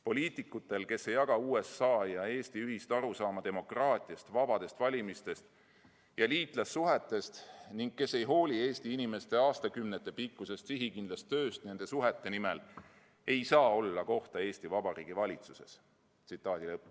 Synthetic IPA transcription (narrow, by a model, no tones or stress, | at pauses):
po̞lʲiːt̪ˑikːˑut̪ːˑe̞lke̞se̞jːɑɡ̥ɑuːe̞sːɑːjɑe̞ːst̪iyɦist̪ɑɾusɑːmɑd̪e̞mo̞krɑːt̪ˑiɑst̪vɑb̥ɑd̪e̞st̪vɑlʲimist̪e̞st̪ | jɑliːt̪ˑlɑsːuɦet̪ːˑe̞st̪niŋɡ̥̚ke̞sːe̞jɦo̞ːlʲie̞ːst̪iinime̞st̪e̞ɑːst̪ɑkymnet̪ːˑe̞pikːuse̞st̪siɦikind̪lɑst̪ːø̞ːst̪ne̞nd̪̥e̞suɦet̪ːe̞nime̞l | e̞jsɑːo̞lːɑko̞ht̪ɑe̞ːsʲt̪ivɑbɑɾiːɡ̥ivɑlʲit̪suse̞s | t̪sit̪ːˑɑːd̪̥ilɤpː